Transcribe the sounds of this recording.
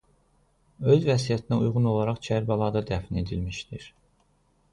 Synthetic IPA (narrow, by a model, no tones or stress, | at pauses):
ø̞zvæsijæt̪ʰinæujʁuno̞lˠɑɾɑχt͡ʃʰæɾbɑlˠɑd̪ɑd̪æfine̞d̪ilmiʃd̪iɾ